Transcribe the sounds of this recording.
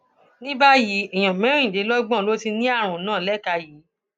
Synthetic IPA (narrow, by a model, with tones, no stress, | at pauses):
nĩ˦ba˦ji˨˦i˨j̃ã˨mɛ̃˨˦˨de˨˦lɔ˦ɡ͡bɔ̃˦˨lo˦ti˧nĩ˦a˦˨ɾ̃ũ˨˦nãː˦˨lɛ˦˨ka˧ji˨˦